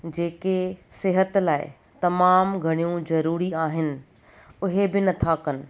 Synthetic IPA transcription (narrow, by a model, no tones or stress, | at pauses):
d͡ʑeːkesɪɦət̪laːɪ̰ | t̪ɐmaːmɡʱɐɽ̃ijũzɐɾuːɾiaːɦɪnɪ̆ | ʊɦebɪnɐt̪ʰaːkɐnɪ̆